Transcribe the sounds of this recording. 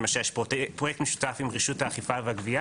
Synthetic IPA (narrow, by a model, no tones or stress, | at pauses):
maʃɛʃpotpʁojɛkt̪meʃu̥t̪afimʁiʃut̪haːχifaveaɡvia